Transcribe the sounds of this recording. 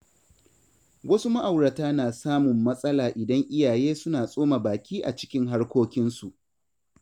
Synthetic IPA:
wɐ˦su˦ma˦ʔa˨wɽɐ˨taː˦naː˨saː˦mʊ˨mːɐ˦sʼɐ˦laː˨ʔɪ˨dɐ˦ŋʔɪ˦jaː˨jeː˦sʊ˦naː˨sʼoː˦ma˨baː˨kʲiː˦ʔa˨t͡ʃɪ̥˦kʲɪ˦ŋɦa˦rkʷoː˦kʲɪ˦nsu˨ʔ

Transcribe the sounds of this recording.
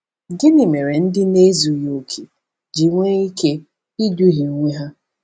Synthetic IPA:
ɡɪ˦ni˨me˨ɾe˨n̩˦dɪ˦ne˦zu˨jo˨kʰe˨ | d͡ʒi˨ŋʷe˦i˦ke˦ | i˦du˦ɦi˨˦ŋʷe˦ɦa˦

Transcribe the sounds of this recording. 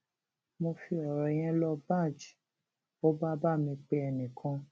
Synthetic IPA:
mo˧fi˧ɔ˨ɾɔ˨˦j̃ɛ̃˦lɔ˧ba˦˨d͡ʒ | o˦ba˦ba˦˨mĩ˧k͡pe˧ɛ˧nĩ˨kʰã˨˦

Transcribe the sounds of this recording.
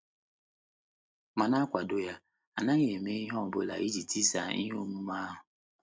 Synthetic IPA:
ma˨na˦kʷa˨do˦ja˦ | a˨na˦ɲe˨me˦i˦ɦɔ˦m̩˨bʊ̰˦la̰˨i˦d͡ʒi˨ti˦sa̰˨˦ḭ˦ɦo˦mu˦ma˦ɦʊ˨

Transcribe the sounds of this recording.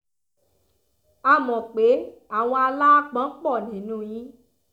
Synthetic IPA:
a˧˨mɔ̃˨k͡pe˨˦a˦˨w̃ɔ̃˧a˧la˦k͡pã˨˦k͡pɔ˦˨nĩ˨nũ˧˦jĩ˨˦

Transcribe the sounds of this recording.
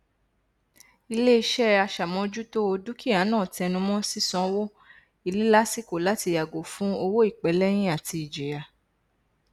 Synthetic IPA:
i˧le˦i˧ʃɛ˦a˧ʃa˨mɔ̃˧d͡ʒu˦to˦o˧du˦ki˦a˨˦nãː˦˨tɛ˧nũ˧mɔ̃˦si˦sɔ̃˦˧wo˦ | i˧li˦la˦si˦ko˨la˨˦ti˧ja˨ɡo˨fũ˦o˧wo˦i˦˨k͡pɛ˨˦lɛ˦j̃ĩ˦a˦˨ti˧i˨d͡ʒe˨ja˨

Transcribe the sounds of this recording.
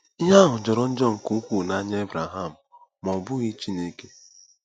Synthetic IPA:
i˦ɦa˦ɦʊ˨d͡ʒɔ˨ɾɔ˦n̩˦d͡ʒɔ˦˨ŋ̩˨ku˦kʷu˦˨na˦ɲ˦e˦bɾa˨ɦa˦˨m̩˨ | mɔ˨bʊ˦ɣi˦t͡ʃi˦ne˦ke˦

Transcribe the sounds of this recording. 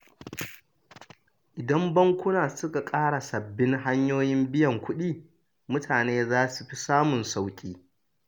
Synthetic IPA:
ʔɪ˨dɐ˦mbɐ˦ŋkʷʊ˦naː˨sʊ˦ka˨kʼaː˦ɽa˨sɐ˨bːɪ˦ŋɦa˦ɲjoː˦jɪ˦mbɪ˦jɐ˨ŋkʷʊ˦ɗiː˦˨ | mʊ˦tʰaː˨neː˦zaː˦su˨ɸi˦saː˦mʊ˨nsa˦wkʲʼiː˦

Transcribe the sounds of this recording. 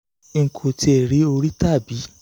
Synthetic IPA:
ŋ̩˨kʰo˨ti˧˦ɛ˨ɾi˨˦o˧ɾi˦ta˦˨bi˨˦

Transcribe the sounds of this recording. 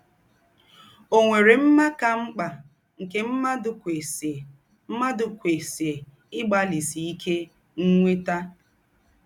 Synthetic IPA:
o˨ŋʷe˨ɾe˨m̩˦ma˦ka˦ŋ͡m̩˦k͡pa˨ | ŋ̩˨ke˦m̩˦ma˦dʊ˨˦ | ma˦dʊ˨kʷe˨se˨ | ɪ˦ɡ͡ba˦li˨si˨i˦kʰe˦ | ŋ̩˦ŋʷe˦ta˦

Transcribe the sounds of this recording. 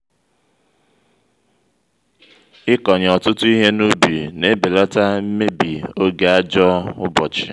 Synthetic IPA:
ɪ˦kɔ˨ɲ˨ɔ˨tʊ˦tʊ˦i˦ɦe˦nu˦bi˨ne˦be˨lɔ˦ta˦m̩˦me˦bi˨o˦ɡe˨˦a˦d͡ʒɔ˦ʊ̰˦bɔ˨t͡ʃɪ̥˨

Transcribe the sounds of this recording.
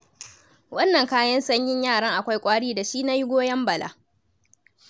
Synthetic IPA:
wɐ˦nːɐ˨ŋkaː˦jɐ˦nsɐ˦ɲjɪ˦ɲjaː˦˨ɽɐ˦ŋʔa˨kʷa˦jkʷʼaː˦ɽiː˦da˨ʃiː˦na˦jɪ˦ɡʷoː˦jɐ˦mbɐ˨lʔa̰ː˦

